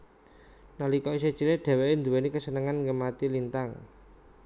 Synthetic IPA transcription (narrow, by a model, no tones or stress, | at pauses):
nalikɔis̬e̥t͡ʃileɖ̪̥ɛ̤weʔend̪uwenikəsənəŋanŋɡəmat̪ilint̪aŋ